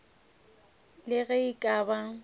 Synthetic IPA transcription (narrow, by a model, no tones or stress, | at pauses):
lɪɣɛikʼaːba